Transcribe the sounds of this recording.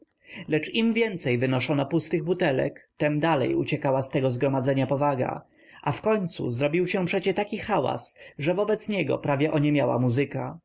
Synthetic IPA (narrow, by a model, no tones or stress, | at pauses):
lɛt͡ʂimvʲjɛnt̪sɛjvɘnɔʂɔnɔpust̪ɘɣbut̪ɛlɛ̰kt̪ɛmd̪alɛ̰jṵt͡ɕɛkawast̪ɛɡɔzɡɾɔmad̪zɛɲapɔvaɡa̰ | ʔafkɔɲt̪sṵzɾɔbʲiwɕɛ̃pʂɛt͡ɕɛt̪akʲixawa̰sʐɛvɔbɛt̪sɲɛɡɔ̰pɾavʲjɛʔɔɲɛmʲjawa̰muzɘka